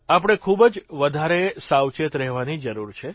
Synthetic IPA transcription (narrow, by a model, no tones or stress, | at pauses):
ap̬əɽ̃ekʰubəd͡ʒʋəd̪ʱaɾesawt͡ʃet̪ɾɛɦʋanid͡ʒəɾuɾt͡ʃʰe